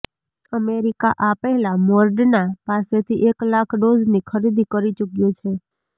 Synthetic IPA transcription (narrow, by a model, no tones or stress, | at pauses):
əmeɾikaʔapɛɦɛlamɔɾɖnapaset̪ʰiʔeklakʰɖod͡ʒnikʰəɾid̪ʱikəɾit͡ʃukjot͡ʃʰe